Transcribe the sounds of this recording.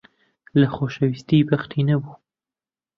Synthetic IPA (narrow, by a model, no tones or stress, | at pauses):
laxoʃawɪst̪ibaxt̪ʰinabu